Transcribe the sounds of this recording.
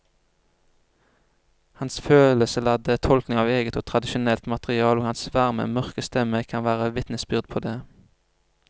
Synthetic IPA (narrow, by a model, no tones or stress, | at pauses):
hɑnsføːləsəlɑd̪ət̪ʰɔlknɪŋɑːʋeːɡət̪oːt̪ʰʁɑd̪ɪʃʊnɛlt̪mɑt̪ʁɪɑːloːhɑnsʋæʁmə̰mœʁkəst̪ɛməkʰɑnʋæːʁəʋɪt̪nəsbʏʁd̪̚pʰoːd̪eː